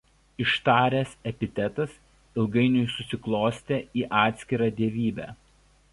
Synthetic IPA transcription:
ɪʃt̪ɑːɾʲeːsɛpʲɪt̪ʲɛt̪ɐs | ɪlˠɡɐɪnʲʊjsʊsʲɪklˠoːsʲt̪ʲeːiːʔɑːt̪ʲsʲkʲɪɾɑːd̪ʲiɛʋʲiːbʲæ̰ː

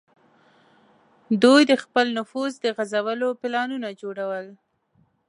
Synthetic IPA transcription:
d̪ujd̪əxpəlnʊfuzd̪əɣazawəlopɪlɑnunad͡ʒoɽawəl

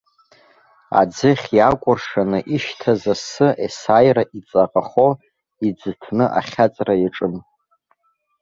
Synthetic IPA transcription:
a̰d͡zɨχʲjakʷʼʊrʂanɨʔiʃtʰazasɨʔesaːjraʔit͡sʼaqʼaχo | id͡zɨtʰnɨʔa̰χʲat͡sʼrajaʈ͡ʂʼɨm

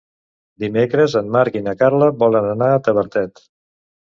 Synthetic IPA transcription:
d̪imekɾəzəmmaɾkinəkaɾləbɔlənənaət̪əβəɾt̪ɛt̪

